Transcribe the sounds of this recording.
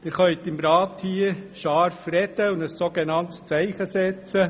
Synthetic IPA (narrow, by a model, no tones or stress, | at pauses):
dɪɾχœʏt̪ɪmɾɑːtʰhiːəʃɑɾfrɛd̪əʊndəssoɡ̥ɛnɑnt̪st͡sæɪχəsɛt͡sə